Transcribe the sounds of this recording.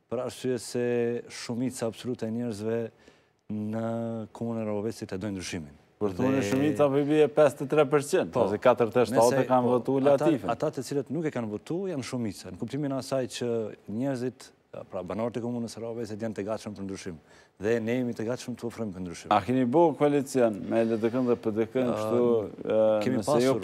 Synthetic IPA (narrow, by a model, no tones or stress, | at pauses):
pəɾaɾsyɛsɛʃumit͡saːbsɔlut̪ɛɛɲɛɾzvɛ | nəkʰɔmunraɔvɛsit̪ɛd̪ɔjnd̪ɾyʃimin | pəɾðuniʃumit͡sapɔbiɛpɛst̪ɛt̪ɾɛp̬əɾt͡ʃind̪pɔsɛkat̪əɾt̪ɛʃɔɛkanvɔt̪ulat̪ifɛat̪at̪ət͡silət̪nukɛkanvɔt̪ujanʃumit͡sanəkup̚t̪iminasajt͡ɕəɲɛɾzit̪ | pɾabanɔɾɛt̪əkɔmunəsraɔvɛsit̪jant̪əɡat̪ʃəmpəɾnd̪ɾyʃim | ðɛnɛjɛmit̪əɡat̪ʃəmt̪əɔfɾɔjmpəɾnd̪ɾyʃimakɛmibɔkalit͡sjɔnmɛləd̪əkənðɛpəɾd̪əkənkəʃt̪u | kɛmiəpaɛsjɔuɾ